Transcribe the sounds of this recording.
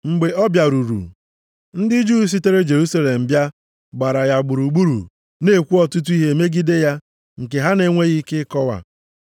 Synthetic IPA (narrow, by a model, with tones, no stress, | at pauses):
ŋ͡m̩˨ɡ͡be˨ɔ˦bja˨ɾu˨ɾṵ˨ | n̩˦dɪ˦d͡ʒu˦˨s̬i˦te˦ɾe˦d͡ʒe˨ɾu˦sa˦le˨m̩˨bja˦ | ɡ͡ba˨ɾa˨ja˨ɡ͡bʊ˨ɾu˨ɡ͡bu˦ɾṵ˨ | ne˦˨kʷu˦ɔ˦tu˦t̬u˦i˦ɦe˨me˦ɡi˦de˦ja˦ | ŋ̩˨ke˨ɦa˦ne˨˦ŋʷe˦ɣi˦ke˦kɔ˦wa̰˨